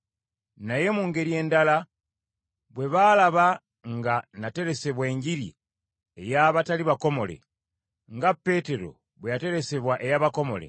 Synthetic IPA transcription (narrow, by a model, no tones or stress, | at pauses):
naje̞muːŋɡe̞ɾie̞ːndala | βwe̞βalaβa | ŋɡanate̞ɾe̞se̞βwe̞ːɲɟiɾḭ | e̞jaβataliβako̞mo̞le̞̰ | ŋɡapːe̞te̞ɾo̞̰ | βwejate̞ɾe̞se̞βwaʔe̞jaβako̞mo̞̰lḛ